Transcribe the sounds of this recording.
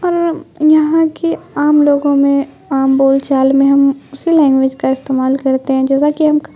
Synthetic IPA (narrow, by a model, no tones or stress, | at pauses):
ɔːɾjɐɦãkiaːmloːɡõmẽ | aːmboːlt͡ʃaːlmẽɦɐmʊsilɛ̃ːŋɡʋɪd͡ʒkaɪst̪eːmaːlkɐɾt̪eɦɛ̃d͡ʒɛːsakiɦɐmk